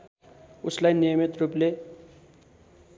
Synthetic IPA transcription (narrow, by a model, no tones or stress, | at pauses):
uslajnijʌmit̪ruple